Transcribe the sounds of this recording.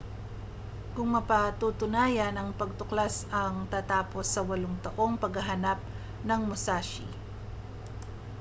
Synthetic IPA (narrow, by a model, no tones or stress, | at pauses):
kʊŋmɐpɐt̪ut̪ʊnaːjɐnɐŋpɐɡ̚t̪ʊklasɐŋt̪aːt̪aːpo̞sːɐwɐloŋt̪ɐʔo̞ŋpɐɡɐɦɐnap̚ | nɐŋmosaːʃḭ